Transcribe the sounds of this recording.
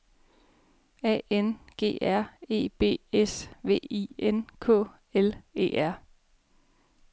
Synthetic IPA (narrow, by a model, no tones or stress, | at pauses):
ɛ̰ːenɡ̥e̝̰ːæɐ̰e̝̰ːb̥e̝̰ːesʋe̝̰ːienkʰɔ̰̽ː | ele̝̰ːʔæɐ̰